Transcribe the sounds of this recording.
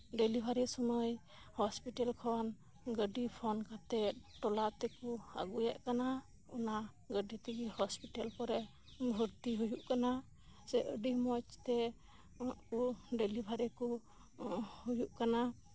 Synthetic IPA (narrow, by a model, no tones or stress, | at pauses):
ɖelibʱaɾɛsɔməj | hɔspiʈalkʰɔn | ɡəɖipʰɔnkat̪ɛʈɔlat̪ɛkua̰ɡujaʔkana | ɔna | ɡəɖit̪iɡihɔspiʈalkɔɾɛ | bʱəɾt̪iɦujuʔkana | sɛʔəɖimɔt͡ʃt̪ɛ | uʔkuɖelibʱaɾɛkɔ | hujuʔkana